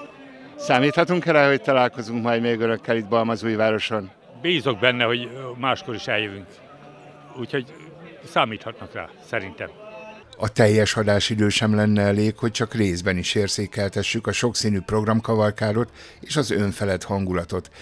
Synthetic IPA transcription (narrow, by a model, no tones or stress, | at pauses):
saːmiːt̪hɒt̪uŋkɛɾɛho̞c̚t̪ɒlaːlko̞zuŋkmɒjd̪meːɡønø̞kːɛlid̪bɒlmɒzuːjvaːɾo̞ʃo̞n | biːzo̞ɡ̚bɛnːɛho̞ɟmaːʃko̞ɾiʃɛljøvyŋk | uːcho̞ɟ | saːmiːt̪hɒt̪nɒkɛ̰lsɛɾint̪ɛm | ɒt̪ɛjːɛʃɒd̪aːʃid̪øːʃɛmlɛnːɛɛleːkho̞c̚t͡ʃɒkreːzbɛniʃeːrzeːkɛlt̪ɛʃːykɒʃo̞ksiːnyːpro̞ɡrɒmkɒvɒlkaːɾo̞t̪ | eːʃɒzøɱfɛlɛt̪hɒŋɡulɒt̪o̞t̪